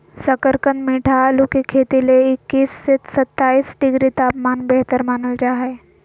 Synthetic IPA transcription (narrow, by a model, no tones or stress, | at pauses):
səkəɾkə̃nd̪miːʈʰalukikʰeːt̪ileɪkːiːsːet̪sɐt̪ːaːiːsɖɪɡɾit̪aːpmaːnbɛɦt̪əɾmaːnəld͡ʒaːɦee